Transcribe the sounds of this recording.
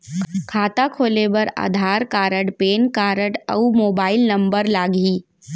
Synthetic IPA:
kʰaːt̪akʰoːlebəɾa̰ːd̪ʱaːɾkaːɾəɽpeːnkaːɾəʈə̰umoːbaːɪlnɐ̃mbəɾlaːɡiː

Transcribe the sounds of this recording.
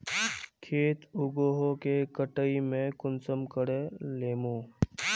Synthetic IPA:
kʰeːt̪ʊɡoːɦokekəʈəimẽkʊnsəmkəɽeleːmoː

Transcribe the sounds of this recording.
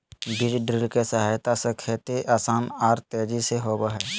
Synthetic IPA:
biɾɖɾɪlkesəɦaːjt̪asə̃kʰet̪eʔaːsaːnaːɾt̪eːd͡ʒiseɦoːbəɦɛː

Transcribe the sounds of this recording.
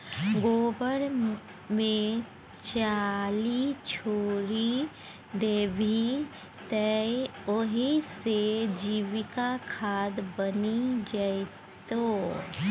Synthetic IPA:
ɡoːbəɽ | mẽ | t͡ʃaːlit͡ʃʰoːɾi | d̪eːbʱi | t̪ɛoɦised͡ʒiːwɪkakʰaːd̪bənid͡ʒae | t̪oː

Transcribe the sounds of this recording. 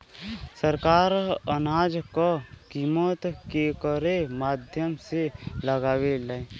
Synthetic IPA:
səɾkaːɾənaːd͡ʒkakiːmət̪kekəɾemaːd̪ʱjəmseləɡaːwelae

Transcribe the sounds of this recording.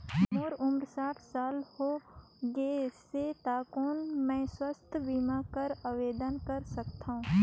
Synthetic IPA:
moːɾʊmɾsaːʈʰsaːlho | ɡeeset̪aːkoːnmɛ̃ːswəst̪ʰbiːmakəɾaʋeːd̪ənkɐɾsɐkt̪aɦũː

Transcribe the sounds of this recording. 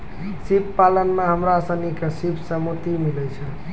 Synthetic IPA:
sipːalənmeɦəmɾasə̃nikesipʰsəmut̪imilɛt͡ʃʰɛ

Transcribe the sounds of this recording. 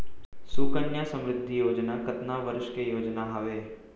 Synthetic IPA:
suːkənjasɐ̃mɾɪt̪ːijoːd͡ʒnakɐt̪naʋəɾʃkejoːd͡ʒnaɦɐʋeː

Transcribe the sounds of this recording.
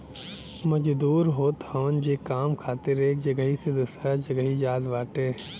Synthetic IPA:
məd͡ʒd̪uːɾɦoːt̪həʋənd͡ʒeːkaːmkʰaːt̪ɪɾeːk̚d͡ʒəɡəɦised̪ʊsɾad͡ʒəɡəɦid͡ʒaːd̪ʋaːʈeː

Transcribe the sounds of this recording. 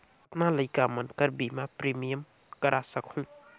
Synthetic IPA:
ɐt̚nalɐjkamɐnkɐɾbimapɾimijɐm | kɐɾʔasɐkʰul

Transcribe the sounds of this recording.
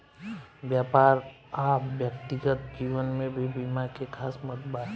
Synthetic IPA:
bjaːpaːɾ | aːpbjək̚t̪ɪɡət̪̚d͡ʒiːwənmẽbʱibimakekʰaːsmət̪baːt̪

